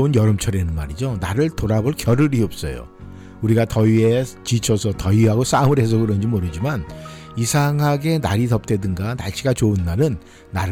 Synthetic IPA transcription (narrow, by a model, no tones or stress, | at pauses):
unjʌɾɯmt͡ɕʰʌɾenɯnma̰ɾid͡ʑonaɾɯɭtoɾaboɭkjʌɾɯɾiʌp̚s͈ʌ̰jo̰ | uɾiɡatʌiet͡ɕit͡ɕʰʌsʰʌtʌiɦaɡos͈aɯmɯɭɦe̞s̬ʰʌɡɯɾʌnd͡ʑimoɾɯd͡ʑiman | isʰaŋɦaɡe̞naɾitʌp̚t͈ʰe̞dɯnɡanaɭɕ͈ʰiɡat͡ɕounːaɾɯnː | aɾ